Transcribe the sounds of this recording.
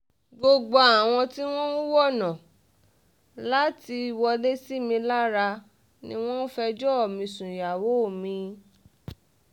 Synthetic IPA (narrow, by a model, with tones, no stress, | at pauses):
ɡ͡bo˧ɡ͡bo˧a˨w̃ɔ̃˧ti˦w̃ɔ̃˦u˦wɔ˦˨nã˨ | la˦ti˧˨˧wɔ˧le˦si˦mĩ˧la˦ɾa˧ | nĩ˦w̃ɔ̃˦n˦fɛ˧d͡ʒɔ˦ɔ˦˨mĩ˧sũ˨ja˨wo˨˦˨mĩ˧